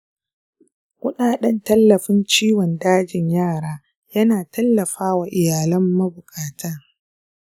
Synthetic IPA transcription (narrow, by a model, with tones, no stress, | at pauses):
kʷʊ˦ɗaː˨ɗɐ˦ntɐ˦lːɐ˨ɸɪ˦nt͡ʃiː˦wɔ˨ndaː˦d͡ʒɪ˨ɲjaː˦˨ɽaː˦ | jɐ˦naː˨tʰɐ˦lːɐ˨ɸaː˦wa˨ʔɪ˨jaː˨lɐ˦mːɐ˦bʊ˨kʼaː˨tʰɐ˦